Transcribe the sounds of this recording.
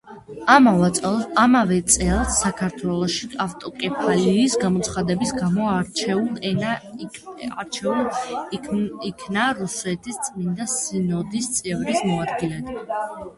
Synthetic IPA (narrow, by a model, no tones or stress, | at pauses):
amat̪sʼɛamavɛt̪sʼɛlˠsakʰaɾt̪ʰwɛlˠɔʃiaft̪ʼɔkʼɛpʰaliːsɡamɔt̪sʰχad̪ɛbisɡamɔaɾt͡ʃʰɛul | aɾt͡ʃʰɛl | ikʰnaɾusɛt̪ʰist̪sʼmind̪asinɔd̪ist̪sʼɛvɾismɔad̪ɡilɛt̪